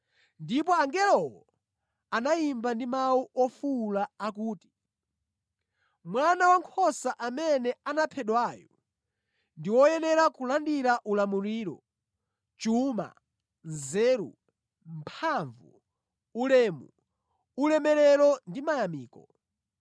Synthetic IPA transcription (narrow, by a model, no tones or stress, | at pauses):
ndip̬ɔaŋɡɛlɔwɔ | anajimbandimauʔɔfulaːkuːti̥ | mwanawaŋkʰɔsaʔamɛnɛanapʰɛɗwaːjɔ | ndiwɔjɛnɛɾakulandiɾaʔulamuɾiːɾɔ̰ | t͡ʃuma̰ | zɛːɾṵ | mpʰaɱvu | ulɛːmu | ulɛmɛɾɛɾɔndimajamiːkɔ̰